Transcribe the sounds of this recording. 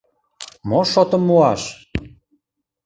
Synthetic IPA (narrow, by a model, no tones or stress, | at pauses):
moʃot̪ə̆mːuɑʃ